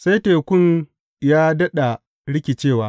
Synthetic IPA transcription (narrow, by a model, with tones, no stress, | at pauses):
sa˦jteː˨kʷʊ˦n | jaː˦dɐ˦ɗa˨ | ɽɪ˦kʲi˨t͡ʃeː˦˨waː˦